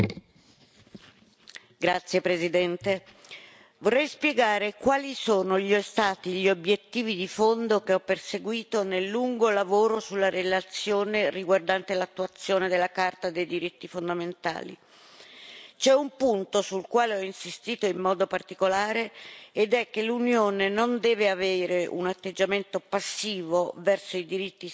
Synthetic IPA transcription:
ɡɾat̪sːjepɾezid̪ɛnt̪e | vorːɛjspjeɡaːɾekwaːlisoːnoʎiɔst̪aːt̪iʎiobjet̪ːiːvid̪ifond̪okeɔpːerseɡwiːt̪onelːuŋɡolavoːɾosulːaɾelat̪sːjoːneriɡward̪ant̪elat̪ːuat̪sːjoːned̪elːakart̪ad̪ejd̪iɾit̪ːifond̪ament̪a̰ːlḭ | t͡ʃɛumpunt̪osulkwaːleɔinsist̪iːt̪oimːɔːd̪opart̪ikolaːɾeːd̪ɛk̟ːelunjoːnenond̪ɛːveaveːɾeʔṵnat̪ːed͡ʒament̪opasːiːvovɛrsoid̪iɾit̪ːi

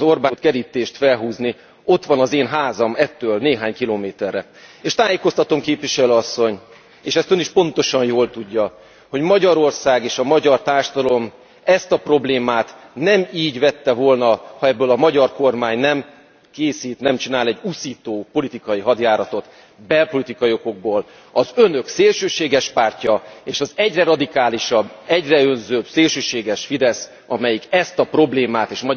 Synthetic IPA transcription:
zo̞rbat̪kɛɾiːt̪eːʃt̪fɛlɦuːzni | o̞t̪ʋɒnɒzeːnɦaːzɒmɛt̪ːøːlneːɦaːɲkiloːmeːt̪ɛrːɛ | eːʃt̪aːjeːko̞st̪ɒt̪omkeːpʋiʃɛløːɒsːo̞ɲ | eːʃɛst̪øniʃpo̞nt̪o̞ʃɒnjoːlt̪uɟːɒ | ho̞ɟmɒɟɒɾo̞rsaːɡeːʃɒmɒɟɒrt̪aːrʃɒd̪ɒlo̞m | ɛst̪ɒpro̞bleːmaːt̪nɛmiːɟvɛt̪ːɛvo̞lnɒhɒɛbːøːlɒmɒɟɒrko̞rmaːɲnɛm | keːsiːt̪nɛmt͡ʃinaːlɛɟːusiːt̪oːpo̞lit̪ikɒjiɦɒd̪jaːɾɒt̪o̞t̪ | bɛlpo̞lit̪ikɒjoko̞ɡ̚boːl | ɒzø̞nø̞kseːlʃøːʃeːɡɛʃpaːrcɒeːʃɒzɛɟrɛɾɒd̪ikaːliʃɒbːɛɟrɛø̞nzøːbseːlʃøːʃeːɡɛʃfid̪ɛs | ɒmɛjikɛst̪ɒpro̞bleːmaːt̪eːʃmɒ

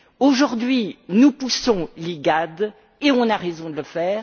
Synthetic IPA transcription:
oʒuʁd̪ɥinupusɔ̃leɡad̪ | eɔ̃naʁezɔ̃d̪ələfɛːʁ

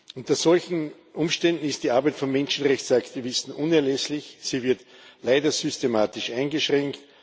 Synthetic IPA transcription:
ʔʊnt̪ɐsɔlçn̩ | ʔʊmʃtɛndn̩ɪst̚d̥iːaɐbæɪtfɔnmɛnʃn̩ʁɛçt͡saktivɪstn̩ʔʊ̃nɛɐlɛslɪçsiːvɪɐt | laɪdɐsʏstemaːtɪʃʔãɪnɡəʃʁɛŋkt

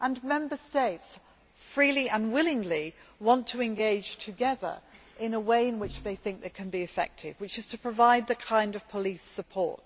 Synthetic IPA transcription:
ʔə̃nmɛ̃mbəsteɪts | fɹiliʔə̃nwɪlˠɪ̃ŋliwɒ̃ntʰəɨ̃nɡeɪd̥ʒ̥tʰɨɡɛðə̰˞ | ʔɪ̃nəweɪɨ̃nwɪt͡ʃðeɪθɪ̃ŋk̚ðeɪkʰɨ̃nbiɨfɛ̰k̚tʰɪ̰vwɨt͡ʃɨz̥tʰəpʰɹ̥əvaɪd̪̚ðɨkʰãɪ̃ndʌv̥pʰəlisəpʰɔ̰ɹt̚

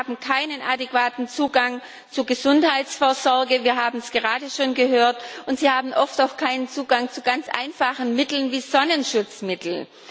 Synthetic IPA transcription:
aːbm̩kʰaɪnənʔadekv̥aːtn̩t͡suːɡaŋ | t͡suɡəzʊnthaɪsfoːɐzɔɐɡəviːɐɦaːbm̩sɡ̥əʁaːdəʃoːnɡəɦøːɐtʔʊntz̥iːhaːbm̩ʔɔftaʊxkʰaɪnənt͡suːɡaŋt͡suɡant͡sʔa̰ɪnfaχn̩mɪtl̩nviːzɔnənʃʊt͡smɪtl̩

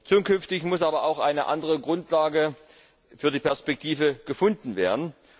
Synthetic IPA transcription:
t͡suːkʏnftɪçmʊsʔaːbɐaʊxʔaɪnəʔa̰ndəʁəɡʁʊntʰlaːɡə | fyːɐdiːpɛɐspɛk̚tʰiːvəɡ̥əfʊndn̩veːɐdn̩

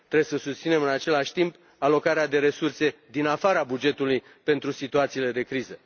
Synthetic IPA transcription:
t̪ɾebjesəsust̪sine̞mɨnat͡ʃe̞laʃʲt̪imp | alo̞kaɾead̪e̞ɾe̞surse̞d̪inafaɾabud͡ʒe̞t̪uluj | pe̞nt̪ɾusit̪uat̪siːle̞d̪e̞kɾizə

